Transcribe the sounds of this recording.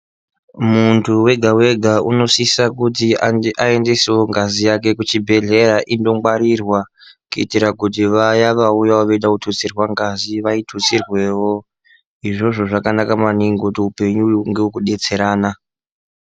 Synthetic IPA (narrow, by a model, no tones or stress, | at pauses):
muntʰuwe̞ɡʱawe̞ɡʱaʔuno̞sisakutiʔae̞ndeseo̞ŋɡazijake̞kut͡ʃibʱe̞ɮe̞ɾaʔindo̞ŋɡwaɾirwakuḭtiɾakut̬iʋajaʋaujawoʋeiɗakutʰut͡sirwaŋɡaziʋaitʰut͡sirwe̞wo̞ | iʐo̞ʐo̞ʐakanakamaniŋɡotiupe̞ɲuŋɡewukuɗe̞t͡se̞ɾaːna